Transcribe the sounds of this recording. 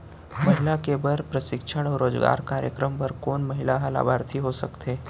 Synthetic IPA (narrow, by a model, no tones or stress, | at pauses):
mɐɦɪlakebɐɾpɾəsɪkʃəɽ̃ɔːɾoːzɡa̰ːɾkaːɾjə̰kɾəmpɐɾkoːnmɐɦɪlaɦəla̰ːbʱaːɾt̪ʰiɦosɐkt̪eː